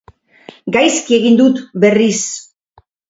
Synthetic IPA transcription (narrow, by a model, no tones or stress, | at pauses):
ɡajskie̞ɣind̪ut̪be̞ris